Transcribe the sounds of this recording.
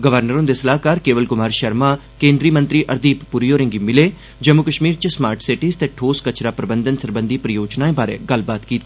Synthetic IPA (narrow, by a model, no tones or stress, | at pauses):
ɡəʋəɾnəɾõnd̪esəlaːɦkaːɾkeːʋəlkʊmaːɾʃəɾmaː | kẽːnd̪ɾiːmə̃nt̪ɾiːʔəɾd̪iːpːuɾijoːɾɪ̃ŋɡimɪleː | d͡ʒəmʊkəʃmiːɾt͡ʃəsmaːɾʈʰsɪʈiːz̥t̪eːʈʰoːskət͡ʃɾaːpɾəbənd̪ənsəɾbənd̪iːpɾəjoːd͡ʒnaːẽːbaːɾḛːɡəlbaːt̪kiːt̪ː